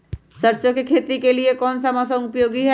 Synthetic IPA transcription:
sɐɾt͡ʃõkekʰeːt̪ikeliekɔːnsamɔːsɐ̃ʊpjoːɡiɦɛ

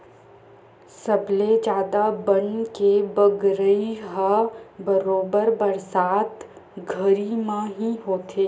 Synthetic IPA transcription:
sɐbled͡ʒjaːd̪abɐɳkebəɡɾəiɦabəɾoːbəɾbɐɾsaːt̪ | ɡʱəɾimãɦiɦoːt̪ʰeː

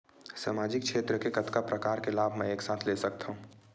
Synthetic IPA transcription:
samaːd͡ʒɪk̚t͡ʃʃʰeːt̪ɾəkekɐt̪kapɾɐkaːɾkelaːbʱmɛ̃eːksaːt̪ʰleːsɐk̚t̪aɦũː

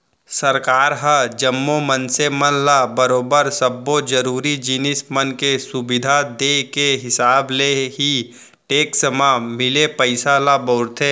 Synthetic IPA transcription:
sɐɾkaːɾɦəd͡ʒəmːomənsemənlabəɾoːbəɾsɐbːod͡ʒɐɾuːɾid͡ʒinɪsmənkesʊbɪd̪ʱad̪ekeɦɪsaːbleɦi | ʈeːksəmamɪlepəɪsalabɔːɾt̪ʰeː

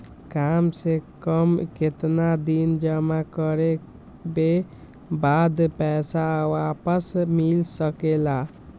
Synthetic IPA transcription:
kamsekəmket̪nad̪ind͡ʒəmakəɾe | be | bad̪pɛsawapəsmilsəkela

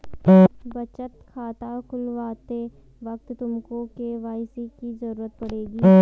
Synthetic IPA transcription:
bɐt͡ʃət̪kʰaːt̪akʊlʋaːt̪e | ʋɐk̚t̪t̪ʊmkõkeʋaːɪsikizɐɾuːɾət̪̚pɐɽeːɡiː

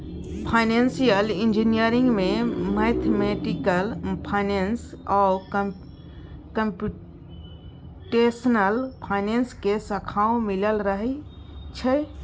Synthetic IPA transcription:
pʰaɪnensijəlĩnd͡ʒinijəɾĩŋɡmẽmet̪ʰmeʈikəlpʰaɪnensɔk | kəmpu | ʈesənəlpʰaɪnenskesəkʰaːõmiləlɾəɦi | t͡ʃʰə

